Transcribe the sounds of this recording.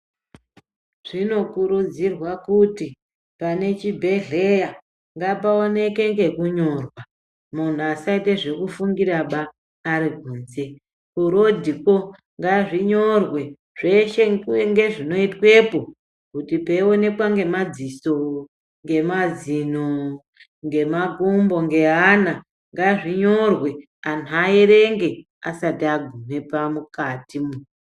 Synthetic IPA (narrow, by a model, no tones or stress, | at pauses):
ʐ̥ino̞kuɾud͡zirwakuti | pane̞t͡ʃibʱe̞ɮe̞ja | ŋɡapaone̞ke̞ŋɡe̞kuɲo̞rwa | mun̤uasaiteʐe̞kufuŋɡiɾaɓaː | ɾiɡʱuːnze̞ | kuɾo̞dʱiko̞ | ŋɡaʐiɲo̞rwe̞ | ʐ̥eʃe̞ueŋɡe̞ʐino̞itwe̞po̞ | kutipeione̞kwaŋɡe̞mad͡ziso̞ | ŋɡe̞mad͡zino | ŋɡe̞maɡumbo̞ŋɡe̞ɦana | ŋɡaʐiɲo̞rwe̞ | anuaeɾe̞ŋɡe̞ | asatiaɡʱum̤e̞pamukatimu